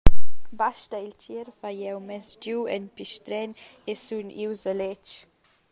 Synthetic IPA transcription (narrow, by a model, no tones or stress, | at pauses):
baʃtəilt͡ʃiɾfajɛwmɛsd͡ʒuwɛ̰npiʃtɾɛn | esuniwzalɛt͡ʃ